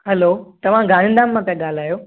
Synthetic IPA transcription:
ɦɐloːt̪ɐʋ̤ãɡʱaːɽ̃ɪ̃ːnd̪aːmːãkãɠaːl̤aːjoː

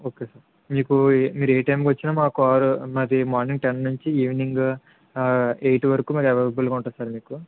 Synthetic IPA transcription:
o̞ːkeːsaːɾ | miːkumiːɾueːʈɐjmkʋɐt͡ʃːinaːmaːkuaːɾumɐd̪imaːɾniŋɡʈennuɲt͡ʃiiːʋniŋɡ | ejʈʋɐɾɐkuːmaːkɛʋɐbulɡuɳʈaːsaːɾmiːku

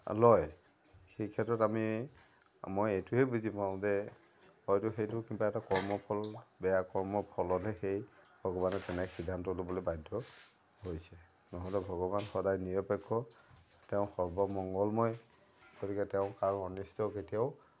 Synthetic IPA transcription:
lɔj | xejkʰɛtɹɔtami | mojejtʊɦɛbuzipaʊ̃zɛ | hɔjtʊxejtʊkibaɛtakɔɹmɔpʰɔlbɛjakɔɹmɔpʰɔlɔtɛxejbʱɔɡɔbanɛtɛnɛxidʱantɔlobɔlobajdʱːɔ | hojsɛ | nɔɦɔlɛbʱɔɡɔbanxɔdajniɹɔpɛkʰːɔ | tɛʊ̃xɔɹbɔmɔŋɡɔlmɔj | ɡ̥otikɛtɛʊ̃kaɹɔnistʰɔketijaʊ

